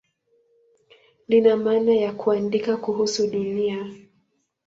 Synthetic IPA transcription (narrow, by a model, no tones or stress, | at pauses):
ninamaːnajakuandikakuɦusuɗunia